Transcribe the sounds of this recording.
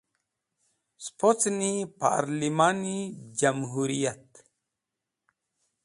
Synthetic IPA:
spot͡snipa̰ɾlimanid͡ʒamɦuɾijat̪

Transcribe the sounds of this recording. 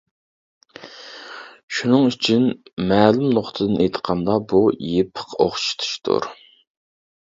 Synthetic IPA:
ʃunɨŋyt͡ʃʰynmɛːlumnoχt̪ʰɨd̪ɨnʔejt̪ʰə̥qʰɑnd̪ɑbujepʰə̥qʰo̰χʃi̥t̪ʰu̥ʃt̪ʰṵɾ

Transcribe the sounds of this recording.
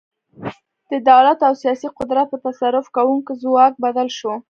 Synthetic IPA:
d̪̥əd̪awlat̪awsijɑsiqʊd̪ɾat̪̚pət̪asaɾʊfkawuŋkozwɑk̚bad̪alʃo

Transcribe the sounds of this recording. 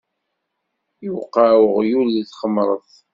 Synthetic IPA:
jəwqːawəʁjulːiθχəmɾˤəθ

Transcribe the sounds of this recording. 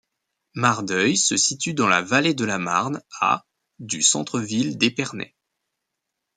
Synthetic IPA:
maʁd̪œjsəsit̪yd̪ɑ̃lavaled̪əlama̰ʁna̰ | d̪ysɑ̰̃t̪χəvild̪epɛʁnɛ̰

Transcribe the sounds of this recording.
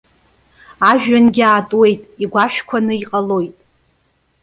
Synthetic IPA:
aʒᶣanɡʲɪaːtʼwe̞jtʼiɡʷaʃᶣkʷʰanɨiqʼalo̞jtʼ

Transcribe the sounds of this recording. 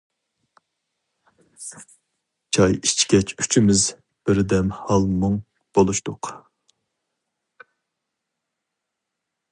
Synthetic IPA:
t͡ʃʰɑjit͡ʃkʲɛt͡ʃʰy̥t͡ʃʰimɪz | b̥ɪɾd̪ɛmhɑlˠmuŋ | b̥olˠuʃt̪ʊq

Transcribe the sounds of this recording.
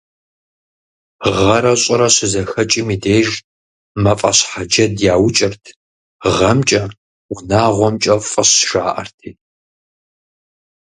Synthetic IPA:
ʁɐɾɐɕʼɪɾɐɕɪzɐxɐt͡ʃʼɪmiːdeːʒ | mɐfʼɐ̰ɕħad͡ʒɐdjaːwt͡ʃʼɪrtʰ | ʁɐmt͡ʃʼɐ | wʷʊnaːʁʷɔmt͡ʃʼɐfʼɐɕʃaːʔɐ̰rtʰiː

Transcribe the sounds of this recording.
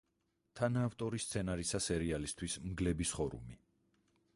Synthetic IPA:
t̪ʰanaːft̪ʼɔɾist̪sʰɛnaɾisasɛɾialist̪ʰwismɡlɛbisχɔɾṵmi

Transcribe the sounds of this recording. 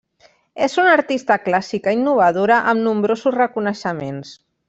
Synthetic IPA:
ezunaɾt̪ist̪əklasikainːuβ̞að̞oɾəʔəmnumbɾozuzrəkunəʃəmens

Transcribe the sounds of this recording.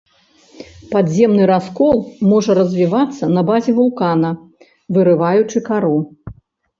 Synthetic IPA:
pad̪zʲɛmnɨɾaskɔlˠmɔʐɐɾɐzʲvʲivat̪sːɐnɐbazʲɛvulˠkanɐ | vɨɾɨvajut͡ʂɨkaɾu

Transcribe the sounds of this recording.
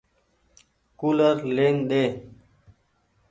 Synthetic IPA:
kuːləɾleːŋɗ̪eː

